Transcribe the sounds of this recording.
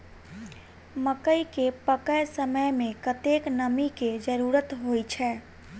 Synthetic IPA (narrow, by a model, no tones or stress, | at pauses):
məkəikepəkəjsəməjmẽkət̪eknəmiked͡ʒəɾuɾət̪ɦojt͡ʃʰɛ